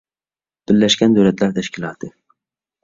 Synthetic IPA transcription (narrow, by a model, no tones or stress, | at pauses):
b̥ɪɾːæʃkʲænd̪ɵwlæt̪læɾt̪ʰæʃkʲilˠɑːt̪ʰɨ